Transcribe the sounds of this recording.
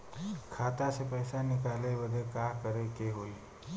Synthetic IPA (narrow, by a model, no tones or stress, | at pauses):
kʰat̪asepəjsanɪkalebəd̪ʱekakəɾekeɦoj